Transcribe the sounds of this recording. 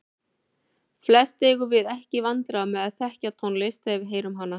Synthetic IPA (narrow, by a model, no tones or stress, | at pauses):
flɛst̪eɣʏvɪðɛhcɪvant̪ɾamɛðaðθɛhcat̪ʰonlest̪ɛvɪɦeːjɾʏmɦanːa